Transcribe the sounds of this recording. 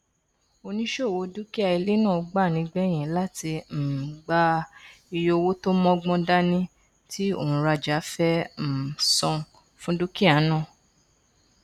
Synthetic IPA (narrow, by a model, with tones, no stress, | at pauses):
o˧nĩ˦ʃo˦˨wo˧˦du˦ki˦a˧i˧le˦nã˦˨˧ɡ͡ba˦˨nĩ˨˧˦ɡ͡bɛ˦˨j̃ɛ̃˨˦la˦ti˧m̩˨ɡ͡ba˦i˧jo˧wo˦to˦mɔ̃˦ɡ͡bɔ̃˦da˦nĩ˦ | tʰi˦o̰˦˨ũ˨ɾa˧d͡ʒa˨˦fɛ˦m̩˨sɔ̃˧ | fũ˦du˦ki˦a˨˦nã˦˨